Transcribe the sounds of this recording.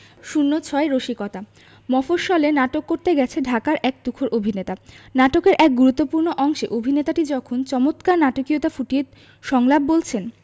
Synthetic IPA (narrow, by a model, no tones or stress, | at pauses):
ʃunːot͡ɕʰɔeɾoʃikɔt̪a | mɔfoʃɔlenaʈokːoɾt̪eɡɛt͡ɕʰeɖʱakaɾʔɛk̚d̪ukʰoɾʔobʱinet̪anaʈokeɾʔɛk̚ɡuɾut̪ːopuɾnoʔɔŋʃeʔobʱinet̪aʈid͡ʑɔkʰont͡ɕɔmot̪kaɾnaʈokiot̪afuʈiet̪ | ʃɔŋlabːolt͡ɕʰen